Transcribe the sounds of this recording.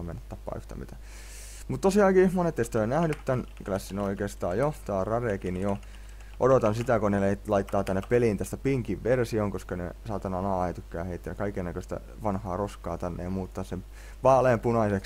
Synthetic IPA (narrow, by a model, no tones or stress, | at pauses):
menːæt̪t̪ɑpːɑ̰ːyht̪æ̰mḭt̪æ | mut̪t̪osiɑːkiːmonet̪ːest̪oenæhnyt̪t̪ænkylæsːinoikeːst̪ɑ̰ːjjoht̪t̪ɑːrɑrekinjo | ʔodot̪ɑnsit̪ækoneleilɑit̪ːɑːt̪ænːeppelint̪æst̪æpiŋkiʋʋersioŋkoskɑnḛsɑːt̪ːɑnɑnɑːɑet̪ykːæ̰ːheit̪ːejækɑikennækøst̪æ̰ | ʋɑnhɑːroskɑːt̪ænːḛjɑmuːt̪ːɑssem | ʋɑːleːmpunɑisek